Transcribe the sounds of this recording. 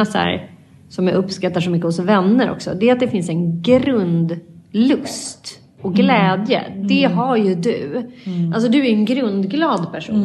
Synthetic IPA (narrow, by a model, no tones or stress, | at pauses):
asæ̰ːɾ | sɔmjaɵpːskat̪ːaʂɔmʏkːəhʊsvɛnːəɾʔɔ̰ksɔ̰d̪ɛːɾat̪̚d̪ɛfɪnsɛnɡɾɵnd̪lɵst̪ | ɔɡlɛːd̪jə̰d̪ɛɦaɾjɵd̪ɵ̰ | als̬ɔd̪ɵæɾɛnɡɾɵnd̪ɡlɑːd̪pʰæʂṵːnn